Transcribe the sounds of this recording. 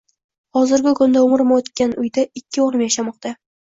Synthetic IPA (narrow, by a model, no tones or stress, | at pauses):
hɒzɪɾɡʲɪkʰʊnd̪aʊmɾmaot̪kʲanʊjd̪aɪkʲːɪoɾɪmjaʃamɒq̚t̪ʰa